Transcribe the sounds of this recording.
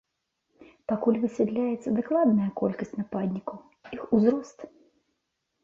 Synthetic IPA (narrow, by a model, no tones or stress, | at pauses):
pakulʲvɨsʲɛd̪lʲajɛt̪sːɐd̪aklˠad̪nɐjɐkɔlʲkɐsʲtʲnapad̪ʲnʲikɐw | ixuzɾɔst̪